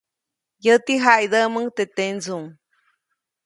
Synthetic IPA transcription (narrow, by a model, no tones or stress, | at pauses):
jət̪iɦajd̪əməŋt̪et̪end͡zuŋ